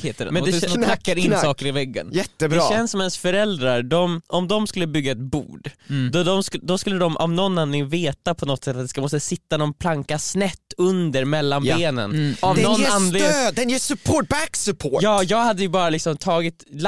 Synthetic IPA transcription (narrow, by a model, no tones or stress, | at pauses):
het̪əɛ̰mɛnd̪ɛd̪ɔkʰnakːaɾɪnsɑːkəɾɪvɛɡːə̰njɛt̪ːəbd̪ɕɛnsɔmɛnsfœɾɛld̪ɾaɾɖɔmʔɔmd̪ɔmskɵlːəbʏɡːaɛt̪̚bṵːɖd̪ɔd̪ɔmskd̪ɔskɵlːəd̪ɔmʔa̰vnɔnːanlɪŋənveːt̪apʰɔnɔt̪sɛt̪ːat̪d̪ɛskamɔst̪əsɪt̪ːanɔnpʰlaŋkasnɛt̪ːɵnd̪əɾmɛlːanbeːnə̰nɔɛɔnand̪lɪd̪ɛnjɛsʉpʰobæksʉpʰojɑːjɑːɡhad̪ːəjəbɑːɾalɪksɔmt̪ʰɑːɡɪt̪l